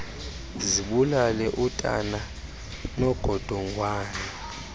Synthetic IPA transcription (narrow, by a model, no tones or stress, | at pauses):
ziɓulalɛʔutʼa̰na | nɔɡ̥ʱɔd̥ʱɔŋʱwaːnɛ